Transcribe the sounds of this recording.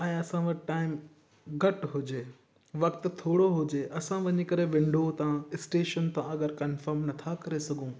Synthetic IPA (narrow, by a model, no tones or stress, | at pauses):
ɛ̃ːɐsãʋɐʈʈaːɪm | ɡʱɐʈɦʊd͡ʑeː | ʋɐkt̪t̪ʰoːɽoɦʊd͡ʑeːʔɐsãʋɐɲɪ̆kɐɾeʋɪ̃ɳɖʱot̪ãɪsʈeːʃənt̪ãɐɡəɾkɐnfəɾmnɐt̪ʰakɐɾesɐɡʱũː